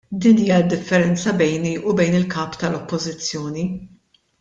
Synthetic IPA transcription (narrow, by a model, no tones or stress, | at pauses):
d̪iːniːjɐd̪ːɪfːɛɾɛnt͡sɐbɛjniʔubɛjnɪlkɐːpt̪ɐlɔpːɔzɪt͡sːjɔːni